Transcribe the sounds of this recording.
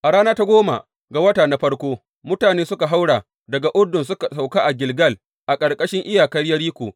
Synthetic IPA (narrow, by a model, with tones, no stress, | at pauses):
ʔa˨ɽaː˦naː˦ta˦ɡʷoː˦ma̰˨ | ɡa˨wɐ˦taː˨na˦ɸɐ˦rkʷoː˦ | mʊ˦taː˨neː˦sʊ˦ka˨ɦa˦wɽaː˨ | dɐ˨ɡa˨ʔʊ˦dʊ˨nsʊ˦ka˨sa˨wka˦ʔa˨ɡʲɪ˨lɡɐ˦˨l | ʔa˨kʼɐ˨rkʼɐ˦ʃɪ˦ŋʔɪ˦jaː˨kɐ˦ɽjɐ˦ɾiː˦kʷoː˨